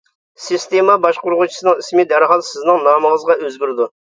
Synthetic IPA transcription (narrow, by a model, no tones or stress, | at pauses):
sɨst̪emɑbɑʃqʊɾʁʊt͡ʃʰi̥sɨnɨŋismɪd̪æɾɦɑlˠsɪznɨŋnɑːməŋəzʁɑøzɡʲyɾɪd̪u